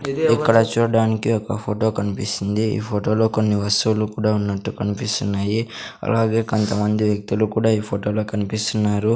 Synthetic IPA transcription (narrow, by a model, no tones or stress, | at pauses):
ikːɐɽɐt͡ʃuːɽɐɽaːnikiɔkɐpʰoːʈo̞ːkɐnipisind̪iḭːpʰoːʈo̞ːlo̞ːko̞nːiʋɐst̪uulukuːɽaːunːɐʈːukɐnipist̪unːaːjiɐ̰laːɡe̞ːko̞nt̪ɐmɐnd̪iʋjɐk̚t̪ulukuːɽaːiːpʰoːʈo̞ːlo̞ːkɐnipist̪unːaːɾu